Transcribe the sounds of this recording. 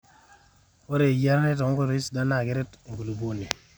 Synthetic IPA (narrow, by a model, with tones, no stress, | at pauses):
o˦ɾe˨ja˦ɾɾe˦t̬o˦ŋɡo˦ɾo˨i˦sda˦na˨ɡe˦ɾe˦tŋ˨ɡu˨lu˨bo˦ne˨